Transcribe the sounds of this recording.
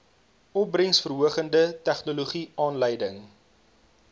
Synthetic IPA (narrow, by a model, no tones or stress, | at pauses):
ɔp̚brəŋsfərɦuəχəndətɛχnuluχiɑːnləjdəŋ